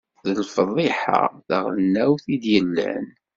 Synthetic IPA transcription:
ðəlfəðˤɪħa̰ðəʁlnːæwθid̪jəlːæ̰n

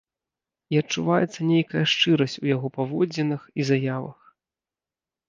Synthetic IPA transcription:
iɐt͡ʂːuvajɛt̪sːɐnʲejkɐjɐʂt͡ʂɨɾɐsʲt͡sʲujaɣɔpavɔd͡zʲɛnɨxizajavɐ̰x

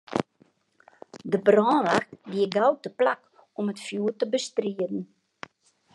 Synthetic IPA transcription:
dəbrɔːnʋaxtdiəɡawtəplak | ɔmətfjuːrtəbəstriədn̩

